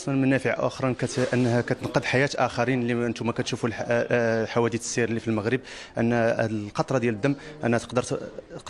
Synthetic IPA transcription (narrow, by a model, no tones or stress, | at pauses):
ʔɑsˤmənmənæfəʕa̰ʔʊ̰xɾˤɑnkæt̪ʔənːhækæt̪ənqəd̪ħajæt̪ʔæxɑɾinliʔənt̪umækæt̪ʃuful | ħawæd̪it̪siɾlːifilməɣɾəb̚ʔə̰nːlqɑt̪ˤɾˤɑd̪jæləd̪ːæmːʔænæt̪ə̥qd̪əɾ